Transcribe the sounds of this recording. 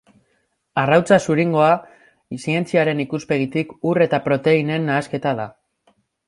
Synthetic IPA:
arawt͡sasuɾiŋɡo̞a | sie̞nt͡siaɾe̞nikuspe̞ɣ̞it̪ikure̞t̪apɾo̞t̪e̞ine̞nːaːske̞t̪aða

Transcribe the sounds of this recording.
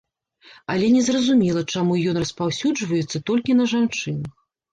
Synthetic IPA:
ɐlʲɛnʲɛzrɐzumʲɛlˠɐt͡ʂamujɔnrɐspawsʲud͡ʐvɐjɛt̪sːɐt̪ɔlʲkʲinɐʐant͡ʂɨnɐx

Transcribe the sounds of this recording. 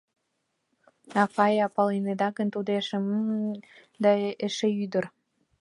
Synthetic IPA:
ɑfɑjɑpɑlened̪ɑkənt̪ud̪eʃem | d̪ɑeʃeyd̪ər

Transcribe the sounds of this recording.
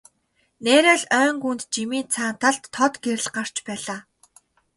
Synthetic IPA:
neːɾæːɮœːŋɡunt̪t͡ɕimiːnt͡sʰaːn̥t̪ʰaɮt̪ʰːɔt̪ɡeɾɘ̆ɮɢar̥t͡ɕpæːɮaː

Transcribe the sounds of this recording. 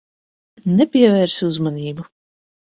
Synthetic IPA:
nɛpʲiɛvɛːɾsiuzmanʲiːbu

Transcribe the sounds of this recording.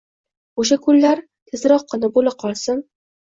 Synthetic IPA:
oʃ̬akʰʊlːaɾ | t̪ʰɪzɾɒqʰːɨnɪbolɪp̚qʰɒlˠsɪm

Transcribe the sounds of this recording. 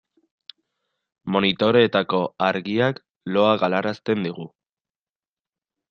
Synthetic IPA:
mo̞nit̪o̞ɾo̞et̪ako̞aɾɣiak | lo̞aɣalaɾast̪e̞nd̪iɣ̞u

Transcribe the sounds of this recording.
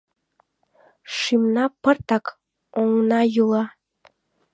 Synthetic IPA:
ʃimnɑpərt̪ɑk | oŋnɑjulˠɑ

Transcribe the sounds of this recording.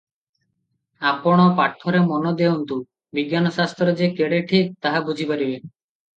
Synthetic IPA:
apɔɽ̃ɔpaʈʰːɔɾemɔnɔd̪eunt̪u | biɡjanɔsast̪ɾɔd͡ʒekeɽeʈʰik̚t̪aɦabud͡ʑʱipaɾibe

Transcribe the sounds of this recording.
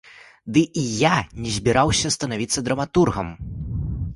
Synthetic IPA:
d̪ɨʔijanʲɛzʲbʲiɾawsʲɐst̪ɐnavʲit̪sːɐd̪ɾɐmat̪urɣɐm

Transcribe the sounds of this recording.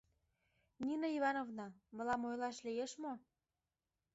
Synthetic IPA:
nʲinoiβɑnovnɑmə̆lɑmojlɑʃlijeʃmo

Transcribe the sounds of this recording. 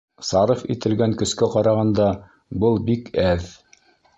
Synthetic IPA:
sɑɾɤfḭt̪ɘ̆lɡæŋkɵ̆skæqɑɾɑʁɑnd̪ɑ | bɤlˠbikæð

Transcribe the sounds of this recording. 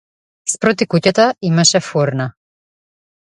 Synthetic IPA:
spɾɔt̪ikucat̪aimaʃɛfɔɾna

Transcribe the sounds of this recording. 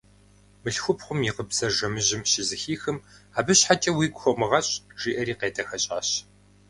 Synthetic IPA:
mɨɬxʷʊpχʷʊmjiqəbzɐʒɐmɨʑɪmɕɪzɨxiːxɨmaːbɨɕħat͡ʃʼɐwiːɡʷʊxʷɔmɨʁɐɕʼʒ̥iːʔɐɾiːqeːdʰɐxɐɕʼaːɕ

